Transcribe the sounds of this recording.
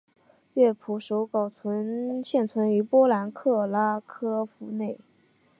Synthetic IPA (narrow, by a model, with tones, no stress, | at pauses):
ɥɛ˥˩pʰu˧˥ʂo˧˥ʊkɑ˨˩ʊt͡sʰwə˧˥nɕjɛ˥˩nt͡sʰwə˧˥ny˧˥pwɔ˥la˧˥nkʰɤ˥˩la˥kʰɤ˥fu˧˥ne˥˩ɪ